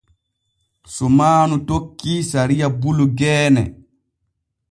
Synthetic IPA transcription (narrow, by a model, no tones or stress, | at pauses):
sɔmaːnutokːisaɾijabuluɡɛːnɛ̰